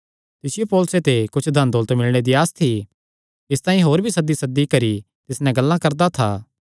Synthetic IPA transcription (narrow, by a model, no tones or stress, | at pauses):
t̪ɪsɪjopɔːlset̪ekʊt͡ʃʰd̪ʱɐnd̪oːlət̪mɪlɽ̃ed̪iaːst̪ʰi | ɪst̪ãːĩɦoːɾbʱisɐd̪ːisɐd̪ːikɐɾi | t̪ɪsnɛ̃ɡɐlːãkɐɾd̪at̪ʰa̰ː